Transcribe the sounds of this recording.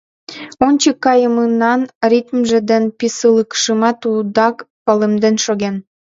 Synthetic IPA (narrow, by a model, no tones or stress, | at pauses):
onʲt͡ɕəkːɑjəmənɑnrʲit̪mʒĕd̪enpisələkʃəmɑt̪ud̪ɑkpɑlemd̪enʃoɣen